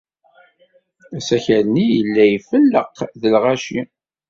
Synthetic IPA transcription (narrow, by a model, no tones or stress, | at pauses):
æsæçæɾnijəlːæjfəlːəqðəlʁæʃi